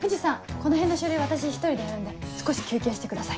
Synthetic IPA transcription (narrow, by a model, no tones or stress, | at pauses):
ɸɯ̟d͡ʑisãŋko̞no̞ɦẽ̞nːoɕɨɾɯ̟iβat̪aɕ̬içi̥t̪oɾid̪e̞jaɾɯ̟nd̪esɨ̥ko̞ɕi̥kʲɨːkʲẽːɕi̥t̪e̞kɯd̪asai